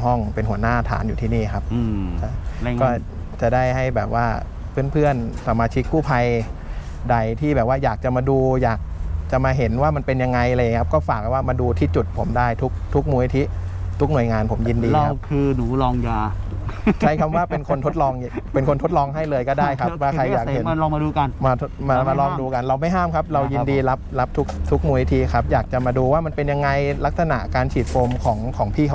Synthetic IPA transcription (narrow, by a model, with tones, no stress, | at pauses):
ɦɔ˥˩ŋpe˧nɦu˩˦ənaː˥˩t̪ʰa̰ː˩˦njuː˨˩t̪ʰiː˥˩niː˥˩kʰa˦˥p̚ːt͡ɕa˧˩˧kɔː˥˩ | t͡ɕa˨˩da˥˩jɦa˥˩jbɛː˨˩p̚waː˥˩ | pʰɯ˥˩ənpʰɯ˥˩ənsa˧mːaː˧t͡ɕʰi˦˥kʰːuː˥˩pʰa˧j | da˨˩jt̪ʰiː˥˩bɛː˨˩p̚waː˥˩jaː˨˩k̚t͡ɕa˨˩maː˧duː˧jaː˨˩k̚t͡ɕa˨˩maː˧ɦe˩˦nwaː˥˩ma˧npe˧nja˧ŋːa˧jlaː˧ja˨˩ŋkʰa˦˥p̚kɔː˥˩faː˨˩k̚a˨˩waː˥˩maː˧duː˧t̪ʰiː˥˩t͡ɕu˨˩t̪̚pʰo˩˦mdaː˥˩jt̪ʰu˦˥k̚t̪ʰu˦˥k̚muː˧i˧t̪ʰi˦˥ | t̪ʰu˦˥k̚nu˨˩əjŋaː˧npʰo˩˦mji˧ndiː˧a˧a˦kʰɯː˧nuː˩˦lɔː˧ŋjaː˧ | t͡ɕʰa˦˥jkʰa˧mwaː˥˩pe˧nkʰo˧nt̪ʰo˦˥t̪̚lɔː˧ŋ | pe˧nkʰo˧nt̪ʰo˦˥t̪̚lɔː˧ŋɦa˥˩jlɤː˧jkɔː˥˩daː˥˩jkʰa˦˥p̚waː˥˩kʰa˧jːaː˨˩khe˨˦˧lɔː˧ma˧duː˧ka˧nmaː˧t̪ʰo˦˥maː˧maː˧lɔː˧˩ŋduː˧ka˧nɾa˧wma˥˩jɦaː˥˩mkʰa˦˥p̚ɾa˧wji˧diː˧la˦˥p̚la˦˥p̚t̪ʰu˦˥k̚t̪ʰu˦˥k̚muː˧ni˦t̪ʰi˦˥kʰa˦˥p̚jaː˨˩k̚t͡ɕa˨˩maː˧duː˧waː˥˩ma˧npe˧nja˧ŋːa˧jla˦˥k̚sa˧na̰˨˩ʔkaː˧nt͡ɕʰiː˨˩t̪̚foː˧mkʰɔː˩˦ŋkʰɔː˩˦ŋpʰiː˥˩kʰ